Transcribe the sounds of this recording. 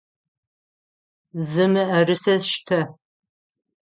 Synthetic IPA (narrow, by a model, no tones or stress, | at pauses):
zɨmɨɐrɨsɐʃtʰɐ